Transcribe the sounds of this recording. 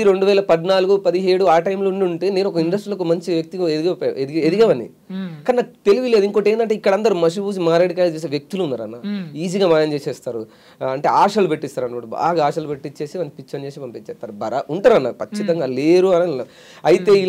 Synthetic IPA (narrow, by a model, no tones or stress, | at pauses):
iɾe̞ɳɖuʋɛːlɐpɐd̪naːluɡupɐd̪iɦe̞ːɽuaːʈɐjmlouɳiuɳʈe̞ːne̞ːnuɔkɐiɳɖɐsʈɾilɐk̬umɐɲt͡ʃiʋjɐk̚t̪iɡɐed̪iɡɐed̪ed̪iɡɐmɐnḭ | kaːninaːkt̪eliʋile̞ːd̪uiŋkoːʈeːndɐɳʈeːikːɐɽɐnd̪ɐɾumɐʂ̬ibuːs̬imaːɾaːɽikaːjt͡ʃeːs̬ːʋjɐk̚t̪uluunːaːɾɐnːaiːd͡ʒiɡaːmaːjɐnt͡ʃeːsɛːst̪aːɾu | ɐɳʈe̞ːaːʂɐlupeʈːist̪aːɾɐnːɐɐʈiba̰ːɡaaːʂɐlupeʈːit͡ʃːe̞ːsimɐnpit͡ʃːɐnt͡ʃeːsipɐmpit͡ʃːɛːst̪aːɾubɐɾaʔuɳʈaːɾɐnːa̰kɐt͡ʃːit̪ɐŋɡaːleːɾuɐnɐ | ɐjit̪e̞ːi